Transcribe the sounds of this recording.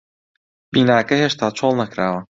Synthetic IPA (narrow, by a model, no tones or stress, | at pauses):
b̥iːnaːkɐheʃt̪ʰaːt͡ʃʰolˠnɐkɾaːwɐ